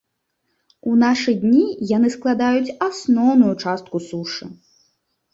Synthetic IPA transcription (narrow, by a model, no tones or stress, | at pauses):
unaʂɨd̪ʲnʲijanɨsklˠad̪ajut͡sʲasnɔwnujut͡ʂast̪̚kusuʂɨ̰